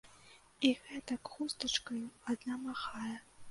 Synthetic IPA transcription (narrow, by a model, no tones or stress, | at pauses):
iɣɛt̪ɐkxust̪ɐt͡ʂkɐjuad̪namaxajɛ